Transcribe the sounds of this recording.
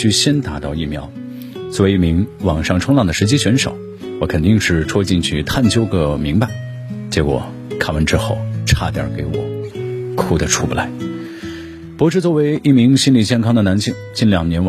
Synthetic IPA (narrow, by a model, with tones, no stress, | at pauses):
y˥˧ɕjɛ˥nt̪a˧˥t̪ɑ˥˧ʊi˥˩mjɑ˧˥ʊ | t͡swɔ˥˧we˧˥i˥˩mi˧˥ŋwɑ˨˩ŋʂɑ˥˩˧ŋʈ͡ʂʰʊ˥ŋlɑ˥˩ŋd̪ə˩ʂɻ̩˧˥t͡ɕi˥ɕɥɛ˧˥nʂo̰˨˩˦ʊ | wɔ˧˥kʰə˨˩nt̪i˥˧ŋʂɻ̩˥˩ʈ͡ʂʰwɔ˥t͡ɕi˥˧ŋt͡ɕʰy˥˧t̪ʰa˥˩nt͡ɕjo˥ʊɡə˧˩mi˧˥ŋpa˧˩ɪ | t͡ɕjɛ˧˥kwɔ̰˨˩ | kʰa˥˩wə˧˥nʈ͡ʂɻ̩˥xo˥˩ʊʈ͡ʂʰa̰˥˧t̪jɑ̰˥˩ke˧˥ɪwɔ̰˨˩˦kʰu˨˥˩d̪ə˦ʈ͡ʂʰu˥˩pu˧˩la˧˥ɪ | pɔ˧˥ʂɻ̩˥˧t͡swɔ˥˩we˧˥ɪʔi˥˩mi˧˥ŋɕi˥nli˨˩t͡ɕjɛ˥˩nkʰɑ˥ŋd̪ə˨na˧˥nɕi˥˩ŋt͡ɕi˥˩nljɑ˨˩ŋnjɛ˧˥n